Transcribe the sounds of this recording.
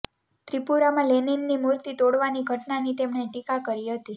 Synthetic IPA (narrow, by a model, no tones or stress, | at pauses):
t̪ɾipuɾamãleninːimuɾt̪it̪oɽʋaniɡʱəʈnanit̪emɳeʈikakəɾiɦət̪i